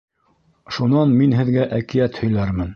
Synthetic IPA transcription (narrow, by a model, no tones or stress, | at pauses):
ʃunɑnminɦɘ̆ðɡæʔækijæt̪hɵ̆jlæɾmɘn